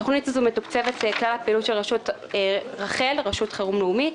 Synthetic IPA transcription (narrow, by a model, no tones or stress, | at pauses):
oχnitazumetukt͡sevet̪eklalapilutʃelʁaʃut | ʁaχe̞lʁaʃut̪χeʁumleumit